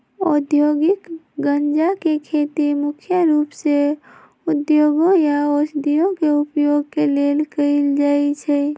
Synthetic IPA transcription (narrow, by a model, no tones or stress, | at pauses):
od̪joɡik | ɡənd͡ʒakekʰet̪imukʰjəɾupse | ud̪joɡõjaosd̪ijõkeupjoɡ̚kelelkəɪld͡ʒaɛt͡ʃʰɛ